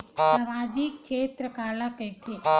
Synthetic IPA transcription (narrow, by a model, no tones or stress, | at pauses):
səmaːd͡ʒik̚t͡ʃʰeːt̪ɾəkalakəjt̪ʰe